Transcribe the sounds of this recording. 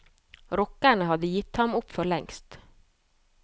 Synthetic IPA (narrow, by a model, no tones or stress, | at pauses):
ɾɔkaɳəɦɑd̪əjɪt̪ːhɑmʊpːfœɭɛŋst̪